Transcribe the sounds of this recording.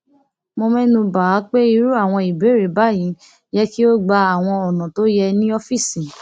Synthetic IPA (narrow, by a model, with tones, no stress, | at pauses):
mõ˧mɛ̃˦nũ˧ba˨˦k͡pe˦i˧ɾu˦a˦˨w̃ɔ̃˧i˨be˨˦ɾe˨ba˨˦jĩ˨˦ | jɛ˦ki˦o˦ɡ͡ba˧a˨w̃ɔ̃˧ɔ˨nã˨to˨˦jɛ˧nĩ˦ɔ˧fi˦˨sĩ˨